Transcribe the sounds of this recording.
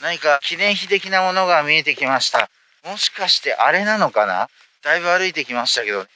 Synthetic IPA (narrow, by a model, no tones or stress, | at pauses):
naɲ̟ikakʲinẽ̞ɰ̃çit̪e̞kʲinamo̞no̞ɡamʲie̞t̪e̞kʲimaɕi̥t̪a | mo̞ɕi̥kaɕi̥t̪e̞ʔaɾe̞nano̞kana̰ | d̪̥aibɯ̟aɾɯ̟it̪e̞kʲimaɕi̥t̪ake̞d̪o̞ne